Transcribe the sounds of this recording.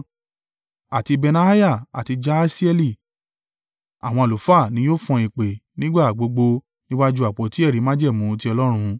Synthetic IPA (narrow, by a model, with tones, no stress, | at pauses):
a˨ti˧be˧nã˧a˦ja˦˨a̰˨ti˧d͡ʒa˦si˦ɛ˧li˦˨ | a̰˨w̃ɔ̃˧a˨lu˨˦fa˦˨nĩ˨˦joː˦˨fɔ̃˧i˨k͡pe˨nĩ˦ɡ͡ba˦˨ɡ͡bo˧ɡ͡bo˧ | nĩ˦wa˦d͡ʒu˦a˨k͡pɔ˨ti˨˦ɛ˦˨ɾi˨˦mã˦d͡ʒɛ˦˨mũ˨˦˧t̬i˦ɔ˧lɔ˦ɾ̃ũ˧